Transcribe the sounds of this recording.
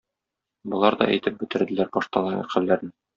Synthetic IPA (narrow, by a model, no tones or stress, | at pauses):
bŏlˠɑɾd̪ɒ̰ʔæ̰jt̪ɘp̚bɘ̆t̪ɘ̆ɾd̪ɘ̆læɾbɒʃt̪ɑlˠɑɾɑ̰qɘ̆lːæɾnɘ